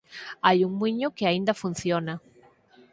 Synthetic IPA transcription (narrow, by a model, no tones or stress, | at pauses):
ajuŋmiɲʊkɪaind̪afunθjona